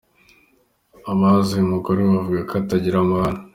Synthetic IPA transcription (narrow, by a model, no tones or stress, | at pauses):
aβazimukoɾeβavuɡakʰataɟiɾamahana